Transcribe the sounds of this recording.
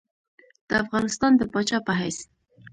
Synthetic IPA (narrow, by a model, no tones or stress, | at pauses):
d̪̥əafɣɑnɪst̪ɑnd̪əpɑt͡ʃɑpaɦajs